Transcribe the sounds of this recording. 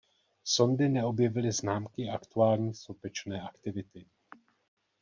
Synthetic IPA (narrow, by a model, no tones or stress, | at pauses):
so̞ndɪnɛo̞bjɛvɪlɪznaːmkɪakt̪uaːlɲiːsopɛt͡ʃnɛːʔakt̪ɪvɪt̪ɪ